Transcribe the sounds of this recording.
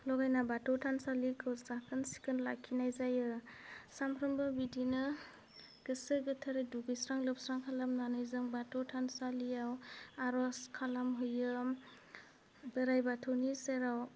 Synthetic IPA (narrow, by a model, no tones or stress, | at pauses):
lɔɡajnabatʰɔwtʰansalikʰɯwzakʰɯnsi̥kɯnlakʰːinajzajɯsampʰɾɯmbɯbidinɯ | ɡ̥ɯsɯɡɯtʰaɾeduɡɯjsɾaŋlɯpsɾaŋkʰalamnanɯjzɯŋbatɔwtʰansaliawaɾɔskʰalamɦɯjɯm | bɯɾajbatʰɯwniseɾaw